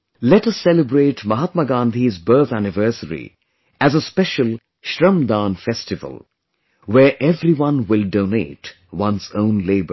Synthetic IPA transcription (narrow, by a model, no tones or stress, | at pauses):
lɛʈʌsːɛlɪbɾeːʈmʌɦat̪məɡãːnd̪ʱizbɜ˞t̪ʰænɪvɜ˞səɾḭ | ʔæzəspɛʃəlˠ | ʃɾʌ̃md̪ãːnfɛstɪvə̰lˠ | wɛɹʔɛvɾiwʌ̃nwɪlɖõːnḛːʈ | wʌ̃nsõʊ̃nleːbə̰˞